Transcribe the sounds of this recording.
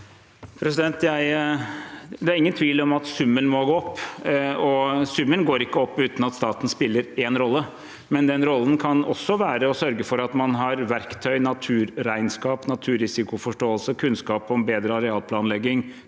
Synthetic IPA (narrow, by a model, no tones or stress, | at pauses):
pʰɾɛsɪd̪ɛnt̪jæɪ | d̪ɛæɾɪŋːənt̪ʰʋiːlɔmɑt̪sʉmːənmɔɡoːɔpːɔsʉmːənɡoːɾɪkːəɔpːʉːt̪nɑt̪st̪ɑːt̪n̩spɪlːəɾeːnɾɔlːə | mɛnd̪ɛnɾɔlːənkʰɑnɔsːɔʋæːɾəɔsœɾɡəfɔɾɑt̪mɑnɦɑɾʋæɾkt̪ʰœʏnɑt̪ʰʉːɾɾæɪnskɑːpnɑt̪ʰʉːɾɪsɪkʊfɔʂʈoːəlsəkʰʉnskɑːpɔbeːd̪ɾəɑɾɛɑːlpʰlɑːnlɛɡːɪŋ